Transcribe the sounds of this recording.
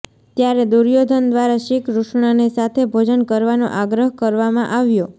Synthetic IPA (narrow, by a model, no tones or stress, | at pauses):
t̪jaɾed̪uɾjod̪ʱənd̪ʋaɾaʃikʰɾuʃɳanisat̪ʰebʱod͡ʒənkəɾʋano̰ʔaɡɾəɦkəɾʋamãʔaʋjo